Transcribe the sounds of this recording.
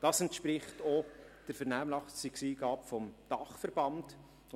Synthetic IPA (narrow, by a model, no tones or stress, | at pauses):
d̥ɑːsɛntʃpɾɪχtɔd̥əɾfɛɾnæːmlɑχstiksiːɡɑːpfɔmd̥ɑχfɛɾbɑnd